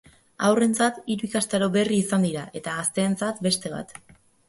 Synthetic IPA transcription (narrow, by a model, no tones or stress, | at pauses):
awre̞nt͡sat̪iɾuikast̪aɾo̞βe̞riːsand̪iɾaʔe̞t̪aɣast̪e̞ːnt͡sat̪be̞st̪e̞βa̰t̪